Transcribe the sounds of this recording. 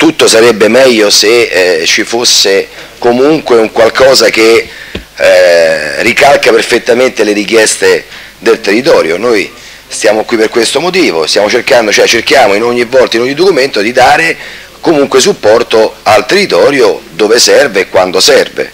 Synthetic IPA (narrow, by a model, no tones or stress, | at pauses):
t̪ut̪ːosaɾɛbːemɛʎːoset͡ʃifosːe | komuŋkweuŋkwalkɔːzake | rːikalkaperfet̪ːament̪eleɾik̟jɛst̪e | d̪elt̪erːit̪ɔːɾjo̰noj | st̪jaːmokwipːerkwest̪omot̪̬iːvost̪jaːmot͡ʃerkand̪ot͡ʃɛt͡ʃerkjaːmoinoɲːivːɔlt̪ainoɲːid̪okument̪od̪id̪aːɾe | komuŋkwes̬upːɔrt̪oalt̪erːit̪ɔːɾjod̪oːvesɛrveːkwand̪osɛrvḛ